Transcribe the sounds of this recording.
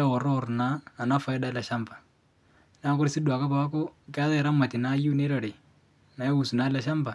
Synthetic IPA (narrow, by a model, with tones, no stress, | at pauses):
ɔ˨ɾɔ˦˨rnaː˨˦˨na˦fa˨˦ɛ˦da˦la˨ʃa˦mbḁ˨ | n˦a˦kʊ˦ɾsi˦dwa˨ka˦pa˨a˦ko˦ka˦ðɛ˦˨ɾa˦ma˨ti˨na˦ju˦ne˦ɾa˨ɾe˨ | na˨jɛ˦u˨su˨na˨˦la˨ʃa˦mba˨